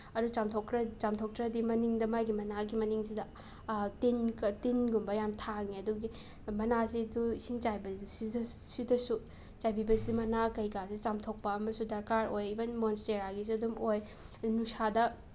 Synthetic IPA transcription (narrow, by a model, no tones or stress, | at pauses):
ɐɾut͡ʃamtʰoktɾɐt͡ʃamtʰok̚tɾɐdimɐniŋdɐmajɡimɐnaɡimɐniŋsidɐ | tinktinɡumbɐjamtʰakniɐduɡi | mɐnasiduisiŋt͡ʃajbɐsidɐsidɐsu | t͡ʃajbibɐsidimɐnakɐjkasit͡ʃamtʰok̚pɐɐmɐsudɐɾkaɾojibɐnmonsteɾaɡis̬uɐdumoj | nusadɐ